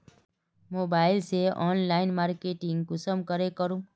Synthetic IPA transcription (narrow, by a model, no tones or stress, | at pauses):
mobailseʔɔnlainmaɾkeʈiŋɡɡʊsəmkəɾekəɾũ